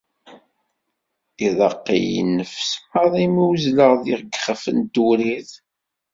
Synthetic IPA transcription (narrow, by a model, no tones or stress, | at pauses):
iðˤɑqːḭj̰nːəfsməðˤimiwzləʁðiʁɡχəfənd̪uɾiθ